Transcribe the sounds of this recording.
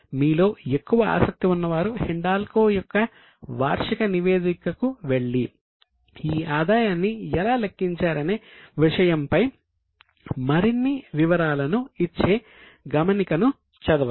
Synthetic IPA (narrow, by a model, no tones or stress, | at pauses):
miːlo̞ːe̞kːuʋɐa̰ːsɐk̚t̪iunːɐʋaːɾuheɳɖaːlkoːjɔkːɐ | ʋa̰ːɾʂikɐniʋe̞ːd̪ikɐkuʋe̞ɭːi | iːaːd̪aːjaːnːiɛlaːlekːiɲt͡ʃaːɾɐneːʋiʂɐjɐmpɐj | mɐɾinːiʋiʋɐɾaːlɐnuit͡ʃːe̞ː | ɡɐmɐnikɐnu | t͡ʃɐd̪ɐ